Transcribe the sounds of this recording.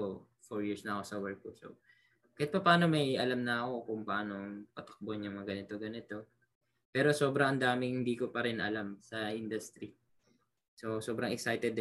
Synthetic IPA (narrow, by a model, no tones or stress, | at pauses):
foɹjiɹsnɐɐko̞sɐwɛɹk̚pʊso̰ | kɐhat̪̚pɐpaːno̞mɐjɐlamnɐːko̞kʊŋpɐʔaːno̞ŋpɐt̪ɐ̥k̚bonjʊŋmɐŋaɡɐnɪt̪o̞ɡɐnɪt̪o̞ | pɛːɾo̞so̞ːbɾɐŋɐnd̪aːmɪŋhɪnd̪iːkopɐɾɪnʔɐ̰lamsɐʔɪnd̪ʊst̪ɾi | so̞so̞ːbɾɐŋɛksajt̪ɛd̪